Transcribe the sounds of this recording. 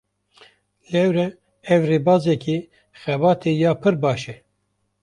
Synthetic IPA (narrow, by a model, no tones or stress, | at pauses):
lɛwɾɛ | ɛvreːbɑːzɛki | xɛbɑːt̪ʰejɑːpʰɨɾbɑːʃɛ